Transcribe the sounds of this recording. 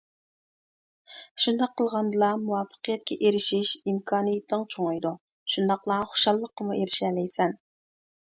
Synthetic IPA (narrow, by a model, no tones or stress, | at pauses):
ʃund̪ɑqʰːəlˠʁɑnd̪ɨlˠɑmuwɑfə̥qʰəjɛt̪̚kʲɛʔeɾɪʃiʃimkʰɑːnijit̪nɨŋt͡ʃʰoŋɨjd̪u | ʃund̪ɑqlˠɑχo̥ʃɑlˠːəqːəmuʔeɾɪʃɛlɪjsɛn